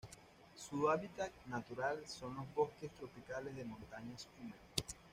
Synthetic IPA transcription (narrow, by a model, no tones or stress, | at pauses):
suaβit̪at̪̚nat̪uɾalso̞nlo̞zβo̞skest̪ɾo̞pikalezðemõ̞nt̪aɲaeskumeɾ